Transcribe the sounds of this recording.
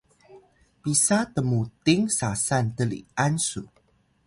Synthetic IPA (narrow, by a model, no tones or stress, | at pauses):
pisat̪əmut̪ɪŋsasant̪əlḭansu